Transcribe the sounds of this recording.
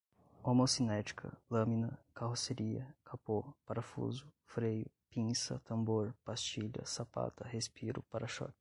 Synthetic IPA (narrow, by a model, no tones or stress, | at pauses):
omosinɛt͡ʃi̥kʰɐ̰lɐ̃mĩnɐkaɦoseɾiɐ̰kʰapopaɾɐfṵzʊ | fɾejʊpĩsɐ̰t̪ɐ̃mboɾpast͡ʃiʎɐ̰sapa̰t̪ɐhespiɾʊ̰paɾɐʃɔ̰kɪ̥